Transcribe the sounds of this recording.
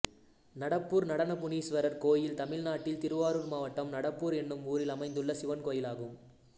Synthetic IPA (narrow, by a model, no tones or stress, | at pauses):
nɐɽɐpːuːɾnɐɽɐnɐpʊniːsʋɐɾɐɾkoːjɪlt̪ɐmɪlnaːʈːɪlt̪ɪɾɯʋaːɾɯɾmaːʋɐʈːɐmnɐɽɐpːuːɾɛnːɯmuːɾɪlɐmɐɪnd̪ɯɭːɐsɪʋɐnkoːjɪlaːɣɯm